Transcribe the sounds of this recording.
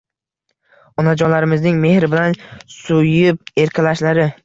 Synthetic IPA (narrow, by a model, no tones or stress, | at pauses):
ɒnad͡ʒɒnlaɾɪmɪznɪŋme̞hɾɪbɪlansʊjɪp̚e̞ɾkʰʲalaʃlaɾɪ